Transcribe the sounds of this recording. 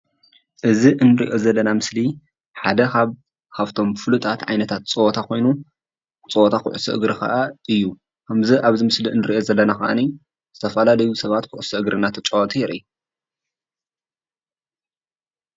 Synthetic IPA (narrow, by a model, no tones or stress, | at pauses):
ʔɨziʔɨnːɨɾḭʔo̞zɐlːɐnamɨsli | ħad̪ɐkaβ | kʰaβt̪ʰo̞mfɨlut̪ʰʼat̪ʕajnɐt̪ʰat̪̚t͡sʼowɔt̪ʰakʰo̞jnu | t͡sʼɨwɔt̪ʰakʰɨ̰ʕʔɨ̰sɨ̰ʔɨ̰ɡɾɨkʰɐ̰ʔaʔɨjːu | kʰɐmzɨʔaβzimɨsliɨnːɨɾiʔo̞zɐlːɐnakɐʔa̰ni | z̥ɨt̪ʰɐfɐlalɐjusɐβat̪kʰʊʔʊsɨʔɨɡɾɨnat̪ʰɐt͡ʃʼowɐt̪ʰʼijɛɾʔɨ̰ju